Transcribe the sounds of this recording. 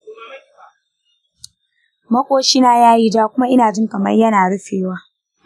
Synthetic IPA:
mɐ˦kʷʼoː˦ʃi˦naː˨jaː˦ji˦d͡ʒaː˦kʷʊ˦ma˦ʔɪ˦naː˨d͡ʒɪ˦ŋkɐ˨mɐ˦rjɐ˦naː˨ɽʊ˦seː˨waː˦

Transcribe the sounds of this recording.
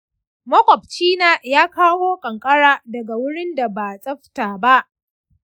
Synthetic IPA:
mɐ˦kʷʼɔ˨p̚t͡ʃiː˦naː˨jaː˦kaː˦woː˦kʼɐ˨ŋkʼɐ˦ɽaː˦dɐ˨ɡa˨wʊ˦ɽɪ˦nda˨ba˨sʼɐ˦ɸtaː˨ba˦ʔ

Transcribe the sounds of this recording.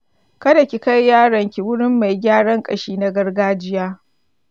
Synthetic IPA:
kɐ˦da˨kʲi˨ka˦jːaː˦ɽɐ˨ŋkʲi˨wʊ˦ɽɪ˦mːa˨jɡʲaː˦ɽɐ˦ŋkʼɐ˨ʃiː˦na˨ɡɐ˦rɡaː˦d͡ʒɪ˦jaː˦

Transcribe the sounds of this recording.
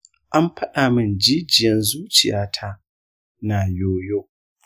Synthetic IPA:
ʔa˦mɸɐ˦ɗaː˨mɪ˦nd͡ʒiː˦d͡ʒɪ˨jɛ˦nzuː˦t͡ʃɪ˨jaː˦tʰa˦ | naː˨joː˦joː˦

